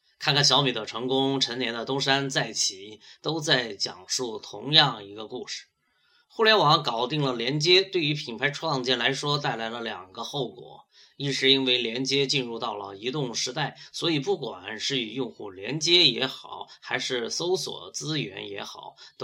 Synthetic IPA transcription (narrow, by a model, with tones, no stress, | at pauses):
kʰa˥˧nkʰa˥˩nɕjɑ˧˥ʊmi˨˩d̪ə˦ʈ͡ʂʰɤ˧˥ŋkʊ˥ŋʈ͡ʂʰə˧˥njɛ˧˥nd̪ə˧t̪ʊ˥ŋʂa˥nt͡sa˥˩ɪt͡ɕʰi˨˩˦t̪o˥ʊt͡sa˥˩ɪt͡ɕjɑ̰˨˩ŋʂu˥˩t̪ʰʊ̰˧˥ŋjɑ˥˩ŋi˧˥ɡə˧ku˥˧ʂɻ̩̥˥˩ | xu˥˩ljɛ˧˥nwɑ˧˥ŋkɑ˨˩ʊt̪i˥˩ŋlə˩ljɛ˧˥nt͡ɕjɛ˥t̪we˥˩ɪy˧˥pʰi˨˩npʰa˧˥ɪʈ͡ʂʰwɑ˥˧ŋt͡ɕjɛ˥˩nla˧˥ɪʂwɔ˥t̪a˥˩ɪla˧˥ɪlə˧ljɑ˨˩ŋɡə˧˦xo˥˩ʊkwɔ̰˨˩˦ | i˥˩ʂɻ̩˥˧i˥nwe˥˩ɪljɛ˧˥nt͡ɕjɛ˥t͡ɕi˥˧nɻu˥˧t̪ɑ˥˩ʊlə̰˩i˧˥t̪ʊ˥˩ŋʂɻ̩˧˥t̪a˥˩ɪswɔ˧˥i˨˩pu˥˩kwa̰˨˩nʂɻ̩˥˩i˨˩jʊ˥˧ŋxu˥˩ljɛ̰˧˥nt͡ɕjɛ˥jɛ˧˥xɑ˨˩˦ʊxa˧˥ɪʂɻ̩˥˩so˥ʊswɔ̰˨˩t͡sɹ̩˥ɥɛ̰˧˥njɛ̰˧˥xɑ˨˩˦ʊt̪